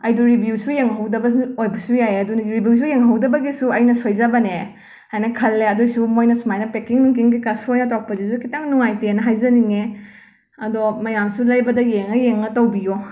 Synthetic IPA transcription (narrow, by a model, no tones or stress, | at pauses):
ɐjduɾibjusujeŋɦɐwdɐbɐsojbɐsujajeɐdunɾibjus̬ujeŋɦɐwdɐbɐɡisuɐjnɐsojzabɐne | ajnɐkʰɐlːeɐdujsumojnɐsumajnɐpekiŋnuŋkiŋɡikasuojnɐtɔk̚pɐzis̬ukitaŋnuŋajtenɐɦajzɐniŋe | ɐdomɐjamsulajbɐdɐjeŋɐjeŋɐtɐwbijo